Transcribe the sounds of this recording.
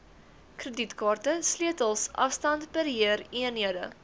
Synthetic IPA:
krəditkɑːrtəsliətəlˠsʔɐ̰fstɐntpərɦiəriənɦiədə̰

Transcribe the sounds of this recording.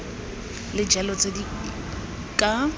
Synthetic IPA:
lɪd͡ʒʱɛlɔt͡sʼedi | kʼa

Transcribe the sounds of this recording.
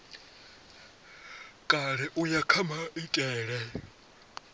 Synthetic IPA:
kʼaɺɛʔujakʰamaʔitʼɛːɺɛ

